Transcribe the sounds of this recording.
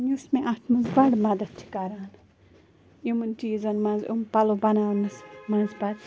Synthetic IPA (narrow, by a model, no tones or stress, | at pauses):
nusmẽʔɐt̪ʰmɐnzbɐɽmɐd̪ɐt̪̚t͡ʃʰi̥kɐɾaːn | imɨnt̪iːzɐnmɐ̃nzumpɐlobɐnaːlmɨsmɐ̃nzbɐd̪